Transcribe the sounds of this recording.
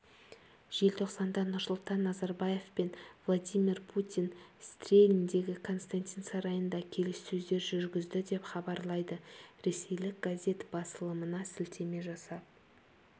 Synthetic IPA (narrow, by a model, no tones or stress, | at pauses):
ʒ̥e̞lt̪ʰo̞qsɑnd̪ɑnʊɾsʊlˠt̪ɑnːɑzɑɾbɑje̞fpenvlˠad̪ijmʲirpʰut̪ʲinst̪rʲelʲind̪e̞ɡʲɪkʰo̞nst̪ant̪ʲinsɑɾɑjənd̪ɑkʲʰe̞lɪsːɵzd̪e̞ɾʒʏɾɡʲɪzd̪ɪd̪e̞pχɑbɑɾlˠɑjd̪əɾe̞se̞jlɪk̚ɡ̥azʲe̞t̪bɑsəlˠəmənɑsɪlt̪ʰe̞me̞ʒɑsɑp̪̚